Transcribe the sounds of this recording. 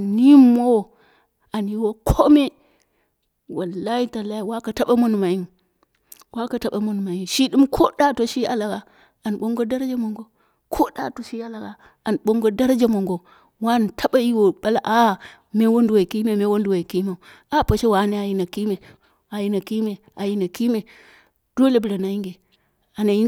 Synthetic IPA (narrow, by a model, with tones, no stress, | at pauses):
a˨ni˦mo˦w | a˨nji˦wo˦kʰo˦me˦ | wa˨lːa˦i˦ta˨la˦ji˨wa˦ka˨ta˦ɓa˦mo˦nu˨ma˨i˦ŋ | wʔa˦ka˨ta˨˦ɓa˨mo˦nu˨ma˨i˦nʃi˦ɗi˦mkʰo˦da˦to˨ʃi˦a̰˦la˨ɡa˨ | a˨nɓo˦ŋɡo˦da˦ɾd͡ʒa˦mo˨ŋɡo˦ | kʰo˦ɗa̰˨to˨ʃi˦a˦la˨ɡa˨ | a˨nɓo˦ŋɡo˦da˦ɾd͡ʒa˦mo˨ŋɡo˨ | wa˦˨n˨tʰa˦ɓa˦ji˦wo˨ɓa˦la˨ʔa˦˨ | me˦wo˦n˦du˨wa˨ki˦me˦˨me˦wo˦n˦du˨wa˨ki˦ma˨u˨ | a˦pa˨ʃe˦wa˨˦ne˦a˨ji˦na˨ki˦me˨ | a˨ji˦na˨ki˦me˨ | a˨ji˦na˨ki˦me˨ | d̥o˦le˨bu˨ɾa˨na˨ji˦ŋɡe˨ | a˨na˨ji˦